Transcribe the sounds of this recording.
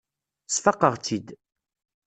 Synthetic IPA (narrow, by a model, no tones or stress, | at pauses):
sfəqːəʁt͡sid̪